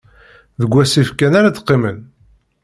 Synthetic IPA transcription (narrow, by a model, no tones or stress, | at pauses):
ðəɡʷːæsifkænaɾat̪qːimən